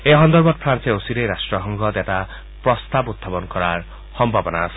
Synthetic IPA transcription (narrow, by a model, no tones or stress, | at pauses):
eɦɔnd̪ɔɾbad̪̚pʰɾanseosiɾejɾasʈɾɔɦɔŋɡʱɔd̪eʈa | pɾɔst̪abud̪̚babɔnkɔɾaɾ | hɔmbʱabɔnaːsi̥